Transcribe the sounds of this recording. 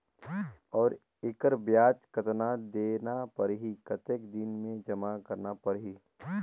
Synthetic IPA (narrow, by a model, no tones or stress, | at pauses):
ɔːɾ | ɪkəɾbjaːt͡ʃkət̪nad̪eːnapəɾɦikət̪ekd̪ɪnmẽd͡ʒɐmakɐɾnapəɾɦiː